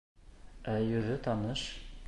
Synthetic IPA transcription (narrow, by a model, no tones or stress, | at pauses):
æjɵ̆ðɵt̪ɑnɤʃ